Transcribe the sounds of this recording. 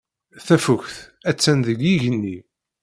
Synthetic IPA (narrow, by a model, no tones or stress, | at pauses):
θæfʊçθæt͡sːænðəɡiʝənːi